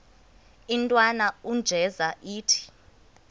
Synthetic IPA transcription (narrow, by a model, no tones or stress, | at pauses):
intʼwanaund͡ʒʱɛzaʔiːtʰi̥